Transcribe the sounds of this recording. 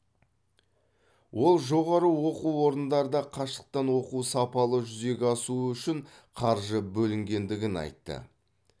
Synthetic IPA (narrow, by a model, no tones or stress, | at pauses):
wʔo̞lˠʒo̞ʁɑɾəwo̞quwwo̞ɾənd̪ɑɾəd̪ɑqʰɑʃə̥q̚t̪ɑnwo̞qusɑpɑlˠəʒʏze̞ɡʲɑsuəʏʃɪɴ | qʰɑɾʒəbɵlɪŋɡʲe̞nd̪ɪɡʲɪnɑ̰jt̪ːə̰